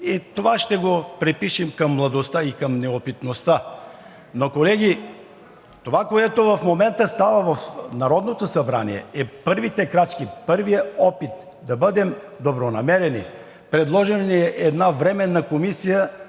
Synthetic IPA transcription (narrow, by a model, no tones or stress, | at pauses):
it̪ovaʃt̪ɛɡopɾɛpiʃimkɐmːlˠɐd̪ost̪aikɐmnɛopit̪nost̪a | nokolɛɡʲi | t̪ovakoɛt̪ovɐfmomɛnt̪əst̪avəvɐfnɐɾɔd̪not̪osɐbɾa̰nḭɛ̰ɛpɤɾvit̪ɛkɾat͡ʃkipɤɾvijəɔpit̪ | d̪ɐbəd̪ɛm | d̪obɾonɐmɛɾɛnḭ | pɾɛd̪lˠɔʒɛnniɛʔɛd̪navɾɛmɛnːɐkomisijə